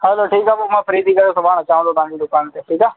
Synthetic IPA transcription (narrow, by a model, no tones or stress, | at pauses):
hɛloʈʰiːkabomãːfʰəɾiːd̪iːkɐɾoːsobaːnãːt͡ʃaːʋə̃nd̪oːt̪ãːd͡ʒiɖʊkaːnt̪eʈʰiːkaː